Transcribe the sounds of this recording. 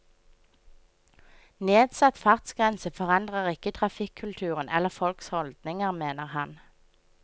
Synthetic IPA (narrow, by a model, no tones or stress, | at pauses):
neːd̪sɑt̪fɑʁt̪sɡ̥ʁɛnsəfɔʁɑnd̪ʁəʁɪkət̪ʰʁɑfɪkʰʉlt̪ʰʉːʁənʔɛ̰ləʁfɔlkshɔld̪nɪŋəʁmeːnəʁhɑn